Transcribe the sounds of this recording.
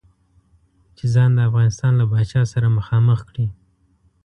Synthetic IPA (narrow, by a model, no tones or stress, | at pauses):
t͡ʃezɑnd̪əafɣɑnɪst̪ɑnlabɑt͡ʃɑsaɾaməxɑməxkɽi